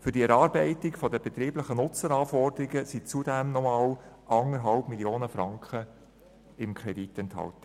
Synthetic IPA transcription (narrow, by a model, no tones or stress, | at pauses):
fʏɾdiɛɾɑːɾbɛɪtɪkfɔdəbɛt̪ɾiːbləχənʊt͡səɾɑːfɔrdəɾiɡəsit͡sudɛmnɔmɑːlʔɑŋəɾɦɑlpmilioːnəfɾɑŋkχə | ɪmkʰɾɛditɛnthɑ̰ltə̥